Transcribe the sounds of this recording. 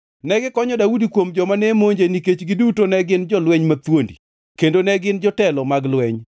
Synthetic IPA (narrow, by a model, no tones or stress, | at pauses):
nɛɡɪkɔɲɔdaudikwomd͡ʒɔmanemoɲd͡ʒeniket͡ʃɡɪdutonɛɡɪnd͡ʒɔlwɛɲmat̪wondḭ | kendonɛɡɪnd͡ʒɔtɛlɔmaɡlwɛɲ